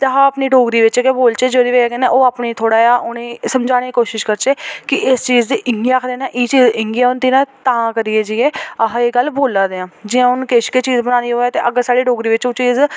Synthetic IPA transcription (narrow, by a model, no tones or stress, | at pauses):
t̪ːɦãːəpniːɖoːɡɾiːʋɪt͡ʃːkeboːlt͡ʃeːd͡ʒoːd̪iːʋeːkɛːneːʔoːaːpniːt̪ʰoːɽaːjaːʔʊnẽːsəmd͡ʒaːɽ̃eːikoːʃɪʃkəɾt͡ʃeːkɪʔɪst͡ʃiːzd̪iːʔɪŋɡijaːakʰd̪eːnãːʔiːt͡ʃiːzɪŋɡiaːʊnd̪iːnãːt̪aːkəɾiːeːd͡ʒiːeːəɦaeːɡəlboːlaːd̪eːãːd͡ʒɪãːʊnkeːʃkeːt͡ʃiːzbənãːnd̪iːɦoːɛːt̪eːʔəɡəɾsaːɽiːɖoːɡɾiːʋɪt͡ʃoːt͡ʃiːz